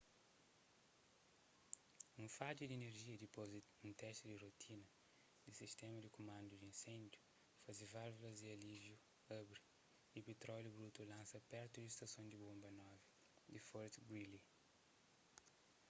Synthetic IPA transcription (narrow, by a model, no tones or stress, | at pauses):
ũfad͡ʒid̪ineɾʒiɐd̪ipozũnt̪ɛʃt̪id̪irot̪ʰinɐ | d̪isiʃt̪ɛmɐd̪ikumãnd̪ud̪iĩnsẽnd̪ju | fazivaɾvulɐziɐlivju | abɾi | ipet̪ɾɔljubɾut̪ulãnsɐpɛɾt̪ud̪ist̪ɐsõnd̪ibõmbɐnɔvi | d̪ifɔɾt̪ɡwili